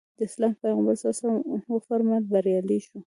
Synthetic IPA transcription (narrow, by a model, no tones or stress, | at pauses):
d̪əɪslɑmpajɣɑmbasɑsahofaɾmat̪̚baɾjɑliʃu